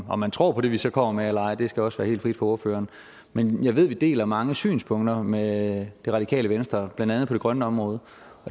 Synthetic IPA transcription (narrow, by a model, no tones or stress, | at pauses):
ɒ̽mænt͡sʰʁo̝̰ːpʰɒ̽ɾ̥e̝ʋisɒ̽kʰɒ̽m̰ɐmeelɐɑ̈ɪ̰d̥e̝sɡ̥æɒ̽sʋæːɐhe̝̰ːld̥fʁid̥fɒ̽o̝ɐfø̰ːɐːn | menjɑ̈ɪʋe̝ð̞̰ˠʋid̥e̝̰ːlæmɑ̈ŋəsy̰ːnspʰɔ̽ŋ̰d̥ɐmed̥e̝ʁɑ̥̈ikʰɛ̰ːləʋensd̥ʁɐb̥lænd̥ænð̩ˠpʰɒɾe̝ɡ̥ʁɶnəɒ̽mʁɔ̽ːð̞ˠ | ɒ̽